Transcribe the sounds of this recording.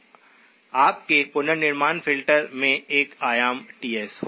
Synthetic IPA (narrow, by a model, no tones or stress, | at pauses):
aːp̚kepʊnəɾnɪɾmaːnfʰɪlʈəɾmẽeːkaːjaːmʈiːɛsh